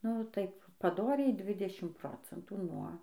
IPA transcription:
nʊ ˈtɐɪp pɐˈdoːrʲɛɪ ˈdʲʋʲɪdʲɛʃʲɪm ˈproːt͡sʲɛntuː nuɔ

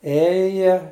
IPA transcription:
ˈeːjɛ

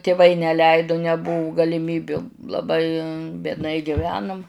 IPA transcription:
tʲɪˈʋɐɪ nʲɛˈlʲɛɪdoː nʲɛˈbʊʋʊ ɡɐlʲɪˈmʲiːbʲʊ lˠɐˈbɐɪ bʲiɛdˈnɐɪ ɡʲɪˈʋʲæːnʊm

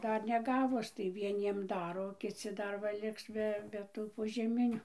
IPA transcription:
ˈdɐr nʲɛˈɡɑːʋʊs tɐɪ ʋʲiɛˈnʲiɛm ˈdɑːroː oː kʲɪˈt͡sʲɪ ˈdɐr ʋɐ ˈlʲɪks bʲɛ bʲɛ ˈtuː poːʒʲɛˈmʲɪnʲʊ

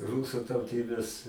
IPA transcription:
ˈruːsʊ tɐʊˈtʲiːbʲeːs

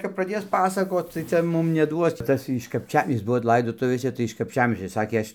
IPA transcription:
kɐp prɐˈdʲeːs ˈpɑːsɐkoːt tɐɪ ˈt͡sʲɛ ˈmʊm nʲɛˈduɔs ˈtɐs ɪʃ kɐpʲˈt͡ʃʲɛm ˈjɪs ˈbʊʋoː ˈlˠɐɪdoːtʊʋʲeːsʲɛ tɐɪ ɪʃ kɐpʲˈt͡ʃʲæːmʲiɛsʲt͡ʃʲoː ˈsɑːkʲeː ˈɐʃʲ

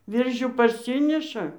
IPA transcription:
ˈʋʲɪrʲʒʲuː pɐrʲˈsʲɪnʲɪʃɐ

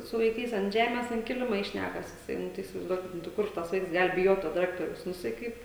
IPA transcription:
sʊ ʋɐɪˈkɐɪs ɐnt ˈʒʲæːmʲɛs ɐnt ˈkʲɪlʲɪmɐ ɪ ˈʃʲnʲækɐs jɪˈsɐɪ ˈnʊ tɐɪ ɪsʲɪʋɐɪzˈduɔkʲɪt ˈnʊ tɐɪ ˈkʊr tɐs ˈʋɐɪks ˈɡɐlˠ bʲɪˈjoːt toː dʲɪˈrʲæːktoːrʲɛʊs nʊ jɪˈsɐɪ ˈkɐɪp

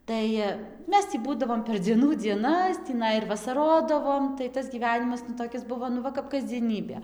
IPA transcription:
ˈtɐɪ ˈmʲɛs tʲiː ˈbuːdɐʋoːm pʲɛr d͡zʲiɛˈnuː d͡zʲiɛˈnɐs tʲiːˈnɐɪ ɪr ʋɐsɐˈroːdɐʋoːm tɐɪ ˈtɐs ɡʲiːˈʋʲæːnʲɪmɐs nʊ toːˈkʲɪs ˈbʊʋoː nʊ ˈʋɐ kɐp kɐzʲd͡zʲiɛˈnʲiːbʲeː

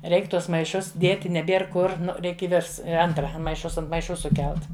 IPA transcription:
ˈrʲɛɪk ˈtuɔs mɐɪˈʃʊs ˈdʲeːtʲɪ nʲɛˈbʲeːr ˈkʊr ˈnʊ ˈrʲɛɪk ɪ ˈʋʲɪrs ˈɐntrɐ mɐɪˈʃʊs ɐnt mɐɪˈʃʊ sʊˈkʲɛlˠt

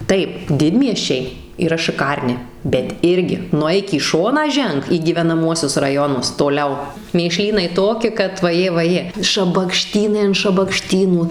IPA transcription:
ˈtɐɪp ˈdʲɪdʲmʲiɛsʲt͡ʃʲɛɪ iːˈrɐ ʃɨˈkɐrʲnʲɪ bʲɛt ˈɪrʲɡʲɪ nʊˈɛɪk iː ˈʃoːnɑː ˈʒʲɛŋk iː ɡʲiːʋʲɛnɐˈmuɔsʲʊs rɐˈjoːnʊs toːˈlʲɛʊ mʲeːˈʃʲlʲiːnɐɪ ˈtoːkʲɪ kɐt ʋɐˈjeː ʋɐˈjeː ʃɐbɐkˈʃʲtʲiːnɐɪ ɐn ʃɐbɐkˈʃʲtʲiːnuː

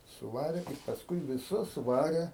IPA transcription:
sʊˈʋɑːrʲeː ɪ pɐsˈkʊɪ ʋʲɪˈsʊs ˈʋɑːrʲeː

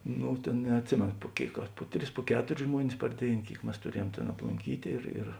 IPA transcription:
ˈnʊ ˈtʲeːn nʲɛɐtʲˈsʲɪmʲeːnoː pʊ ˈkʲeːɪk ɐr ˈpʊ ˌtʲrʲɪs pʊ ˈkʲæːtʊrʲɪs ˈʒmuɔnʲɪs pɐr ˈdʲeːɪn ˈkʲeːɪk ˈmʲɛs tʊˈrʲiɛjuɔm tʲeːn ɐplˠʊŋʲˈkʲiːtʲeː ɪr ɪr

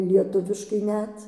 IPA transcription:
lʲiɛˈtʊʋʲɪʃkɐɪ ˈnʲɛt

